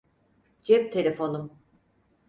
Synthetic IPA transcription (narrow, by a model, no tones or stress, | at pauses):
d͡ʒɛp̚t̪ʰelʲefo̞num